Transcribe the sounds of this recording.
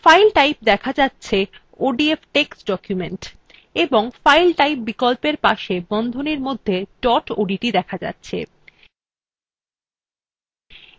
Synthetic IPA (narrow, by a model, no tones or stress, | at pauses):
fajlʈajp̚d̪ɛkʰad͡ʑatːɕʰe | oɖiefʈeksɖɔkjumeɳʈ | eboŋfajlʈajp̚bikolpeɾpaʃebɔnd̪ʱoneɾmod̪ʱːeɖɔʈo̰ɖiʈid̪ɛkʰad͡ʑa̰tːɕʰḛ